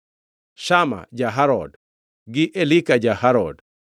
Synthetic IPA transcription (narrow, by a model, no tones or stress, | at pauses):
ʃama̰d͡ʒaɦaɾɔd | ɡɪʔelikad͡ʒahaɾɔd